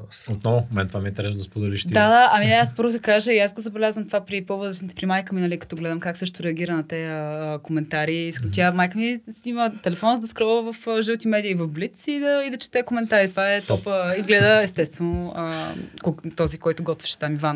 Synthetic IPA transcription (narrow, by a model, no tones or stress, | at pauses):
sot̪nɔvʊmɛnt̪ovamɛint̪ɛɾɛsd̪ɐspod̪ɛliʃt̪d̪ad̪aʔɐmiɛaspɤɾvʊd̪ɐkaʒəiasɡozɐbɛlʲazvəmt̪vapɾipovəzɾəʃit̪ɛ̥pɾimajkəminɐlikɐ̥t̪ɔɡlɛd̪əmkaksɤʃ̬t̪t̪ʊɾɛɐɡʲiɾənɐt̪ɛəːkomɛnt̪aɾiskt̪ʲamajkəmisimət̪ɛlɛfɔnzd̪ɐskɾɔvəvɐfəʒit̪imɛd̪iəivɐfblit̪sid̪ɐid̪ɐt͡ʃɛ̥t̪ɛəkomɛnt̪aɾit̪ovaɛt̪ɔpəiɡlɛd̪əɛst̪ɛst̪vɛnoəkot̪ɔzikɔjt̪ʊɡɔt̪vɛ̥ʃɛ̥t̪amivan